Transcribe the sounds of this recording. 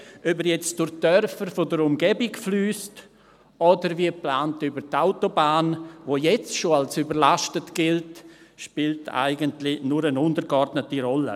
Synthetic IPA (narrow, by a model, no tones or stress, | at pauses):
ʔœbəɾjɛt͡sd̥ʊɾd̥œrfərfodəɾʊmɡɛbɪkflyːst | ɔdəɾviəplaːntʏbəɾtaʊtobaːnvojɛt͡sʃoalsybəɾlaʃtətɡ̥ɪltʃpiːltʰa̰ɪɡəntlɪnuɾənʊndəɾɡɔrdnətiɾɔlə̰